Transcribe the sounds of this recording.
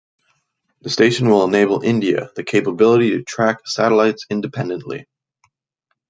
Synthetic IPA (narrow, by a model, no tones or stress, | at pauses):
ðɨsteɪʃɨ̃n̩wɪlˠəneɪbl̩ˠɪ̃ndiɨ̰ðɨkʰeɪpəbɪlˠəɾiɾɨtʰɹ̥æksæɾəlaɪtsɪ̃ndɨpʰɛ̃ndɨ̃nʔlḭ